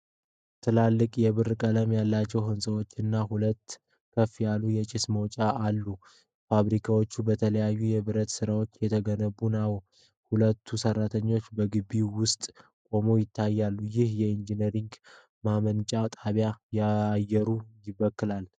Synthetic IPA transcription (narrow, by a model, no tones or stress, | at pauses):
t̪ʰɨlalːɨkʼjɛβɨrkʼələmjalːat͡ʃːɛwhɨnsʼɨwo̞t͡ʃːɨnːahulət̪ː | kʰəfijalːujɛt͡ʃʼɪsməwt͡ʃʼaʔalːu | faβɾikʰawo̞t͡ʃːubət̪ʰələjajːujɛβɨɾət̪sɨɾawo̞t͡ʃːjɛt̪ʰəɡənəβunaw | hulət̪ʰːusərːat̪ʰəɲːo̞t͡ʃːbəɡɨbiwʊst̪ʼ | kʼo̞mojɪt̪ʰːajːalːujɪhjɛind͡ʒinəɾiŋɡ | mamənt͡ʃʼat̪ʼaβjajajɛɾujɪβəkːɨlal